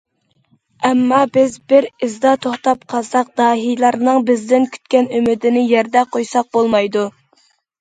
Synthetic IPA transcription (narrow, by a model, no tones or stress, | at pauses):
ɛmːɑbɪzbɪɾɪzd̪ɑt̪ʰoχt̪ɑpqʰɑsɑq̚d̪̥ɑːɦijlˠɑɾnɨŋbɪzd̪ɪnkʲʰy̥t̪̚kʲɛnymɪd̪ɪnɪjɛɾd̪ɛqʰojsɑq̚bolˠmɑjd̪u